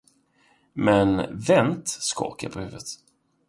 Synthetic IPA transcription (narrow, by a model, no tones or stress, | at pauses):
mɛnvɛnt̪skɔ̰ːɾkə̰ɾpʰɔhʉ̟ːvət̪